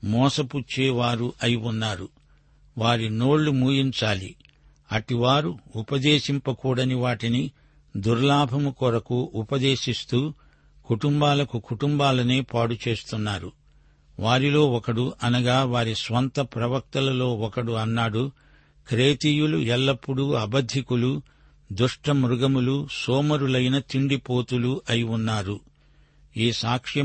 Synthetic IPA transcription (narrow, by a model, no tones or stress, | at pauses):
mɔːsɐput͡ʃːeːʋaːɾuʔɐjiunːaːɾu | ʋaːɾino̞ːɭːumuːjiɲt͡ʃaːlḭ | ɐʈiʋaːɾuupɐd̪eːʃimpɐkuːɽɐniʋaːʈini | d̪uɾlaːbʱɐmukɔɾɐkuʔupɐd̪e̞ːʃist̪uː | kuʈumbaːlɐkukuʈumbaːlɐneːpaːɽut͡ʃe̞ːst̪unːaːɾu | ʋaːɾilo̞ːɔkɐɽuʔɐnɐɡaːʋaːɾisʋɐnt̪ɐpɾɐʋɐk̚t̪ɐlɐlo̞ːɔkɐɽuɐnːaːɽu | kɾe̞ːt̪iːjuluɛlːɐpːuɽuɐbɐd̪ʱːikulu | d̪uʂʈɐmɾuɡɐmulusoːmɐɾulɐjnɐt̪iɳɖipo̞ːt̪uluʔɐjiunːaːɾu | iːsaːkʂjɐ